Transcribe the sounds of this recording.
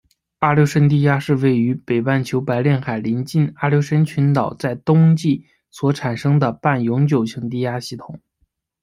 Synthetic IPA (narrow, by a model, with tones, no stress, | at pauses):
a˥˩ljo˧˥ʊʂə˧˥nt̪̬i˥˧ja˥ʂɻ̩˥˧we˥˩ɪy˧˥pe˨˩ɪpa˥˩nt͡ɕʰjo˧˥ʊpa˧˥ɪljɛ˥˩nxa˨˩ɪli˧˥nt͡ɕi˥˩na˥˩ljo˧˥ʊʂə˧˥nt͡ɕʰy˧˥nt̪ɑ˨˩ʊt͡sa˥˩ɪt̪ʊ˥ŋt͡ɕi˥˩ | swɔ˧˥ʈ͡ʂʰa˨˩nʂɤ˥ŋd̪ə˨pa˥˩njʊ˧˥ŋt͡ɕjo˨˩ʊt͡ɕʰjɤ˧˥ŋt̪̬i˥˧ja˥ɕi˥˩t̪ʰʊ˨˩˦ŋ